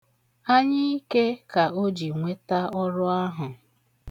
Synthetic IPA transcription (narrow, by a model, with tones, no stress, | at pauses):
a˦ɲɪ˦i˦ke˦ka˨o˦d͡ʒi˨ŋʷe˦ta˦ɔ˦ɾʊ˦a˦ɦʊ˨